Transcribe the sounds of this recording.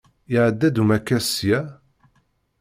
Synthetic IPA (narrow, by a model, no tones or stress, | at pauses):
ɪʕəd̪ːæd̪umækːæsjæ